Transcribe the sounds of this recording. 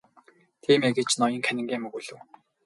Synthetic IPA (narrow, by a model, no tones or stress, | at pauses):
t̪ʰiːmeːɡet͡ɕnɔjɞ̆ŋkʰænʲɪ̆ŋɡʲeːmɵɣuːɮɘ̆w